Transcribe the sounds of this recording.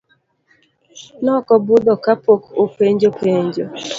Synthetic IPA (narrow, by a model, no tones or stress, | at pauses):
nɔkɔbʊd̪ɔkapokopʷeɲd͡ʒopʰeɲd͡ʒo